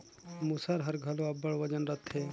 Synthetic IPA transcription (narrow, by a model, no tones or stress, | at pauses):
musaɾɦəɾɡʱəloɐbːəɭʋəd͡ʒənɾət̪ʰɦe